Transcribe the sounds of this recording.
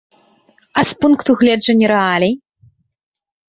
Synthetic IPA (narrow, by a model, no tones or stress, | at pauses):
ɐspunkt̪uɣlʲɛd͡ʐɐnʲːiɾɛalʲɛj